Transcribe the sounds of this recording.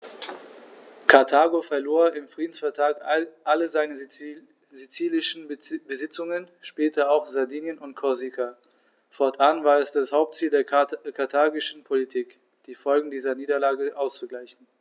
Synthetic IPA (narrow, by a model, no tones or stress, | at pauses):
kʰaɐtʰaːɡofɛɐloːɐɪmfʁ̥iːdn̩sfɛɐtʰʁ̥aːkʔaləzaɪnə | zit͡siːlɪʃn̩bəzɪt͡sʊŋən | ʃpɛːtʰɐaʊxz̥adiːnjənʊntkʰɔɐzikʰa | fɔɐtʰʔanvaːɐɛsd̥ashaʊp̚tt͡siːldeːɐkʰaɐtʰaːɡɪʃn̩pʰolitʰiːk | d̥iːfɔlɡŋ̩diːzɐniːdɐlaːɡəʔaʊst͡suɡlaɪçn̩